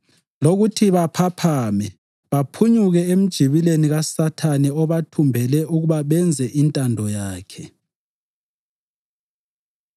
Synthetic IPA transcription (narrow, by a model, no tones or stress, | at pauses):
loɣutʰiβapʰapʰamɛ | βapʰuɲuɣɛem̩d̥ʒ̥ʱiβileniɣasatʰanɛɔβatʰumbʱɛlɛʔuɣuβaβɛnd͡zʱɛʔintʼandʱɔjaːkʰɛ